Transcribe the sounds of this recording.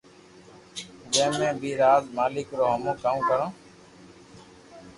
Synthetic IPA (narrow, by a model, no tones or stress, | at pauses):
d͡ʒə̃ːmẽːbʱiːɾaːzmaːlɪkɾoːɦəmõːkaːũːkəɾõː